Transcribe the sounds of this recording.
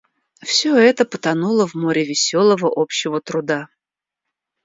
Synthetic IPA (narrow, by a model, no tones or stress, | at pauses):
fsʲɵɛt̪əpət̪ɐnulˠəvmoɾʲɪvʲɪsʲolˠəvəʔo̞pɕːɪvət̪ɾʊd̪a